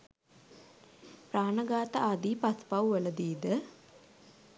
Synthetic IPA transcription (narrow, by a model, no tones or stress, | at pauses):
praːnəɡaːt̪əʔad̪iːpaspawʋələd̪iːd̪ə